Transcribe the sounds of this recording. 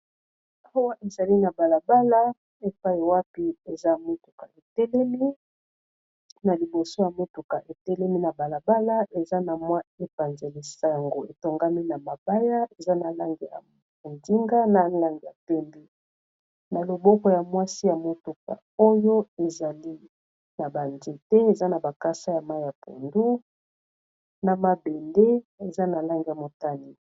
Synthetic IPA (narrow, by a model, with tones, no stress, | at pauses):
a˦wa˦ʔe˨za˨li˦na˨ba˨la˨ba˦la˦ | e˨pa˦i˨wa˦pi˦e˨za˦˨mo˦tu̥˨ka̰˨e˨tɛ˦lɛ˦mi˦ | na˨li˨bo˨so˦ja˨mo˦tu˨ka˨ʔe˨tɛ˦lɛ˦mi˦na˨ba˨la˨ba˦la˦ʔe˨za˦na˨mwa˦e˨pa˨nze˨li˨sa˨ŋɡo˨e˨to˨ŋɡa˦mi˦na˨ma˨ba˦ja˦e˨za˦na˨la˦ŋɡe˨ja̰˨ | o˨ndi˦ŋɡa˦na˨˦la˦ŋɡi˨ja˨pɛ˦mbe˦ | na˨lo˨bɔ˦kɔ˨ja˨mwa˦si˦ja˨mo˦tu˨ka̰˨ | o˦jo˦e˨za˨li˦ | na˨ba˨nd͡ʒe˨tɛ˦e˨za˦na˨ba˨ka˦sa˦ja˨ma˦i˦ja˨pʰo̰˨ndu˦ | na˨ma˨be˨nde˦e˨za˦na˨la˦ŋɡe˨ja˨mo˨ta˦ni˨